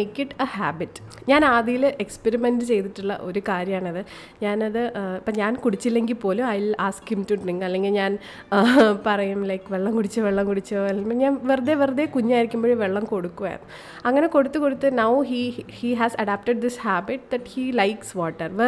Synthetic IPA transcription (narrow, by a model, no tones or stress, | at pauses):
ekːiʈɐhaːbiʈːɲaːnaːðijilʔekspeɾimendɨt͡ɕe̞jt̪iʈːuɭːɐ̰ʔo̞ɾukaːɾjɐmaːɳɨɐðɨ | ɲaːnɐðɨɐpːɐɲaːnkuɽit͡ɕːilːe̞ŋɡilpo̞ːluɐjlaːskhimtuɖriŋɡɐlːe̞ŋɡilɲaːn | pɐrɐjumlɐjkʋeɭːɐmkuɽit͡ɕːɐʋeɭːɐmkuɽit͡ɕːɐɐlmɐɲaːnʋerɐðeʋerɐðekuɲːaːjiɾikʲːumboːɻiʋeɭːɐmko̞ɽukːuʋɐjɾ̰ɐ̰nːu | ɐŋːɐne̞ko̞ɽut̪ːɨkoɽut̪ːɨnɐwɦihiɦæsɐɖaːp̚ʈɐɖ̚d̪ishaːbiʈ̚d̪ɐʈhilajksʋaːʈːɐrʋe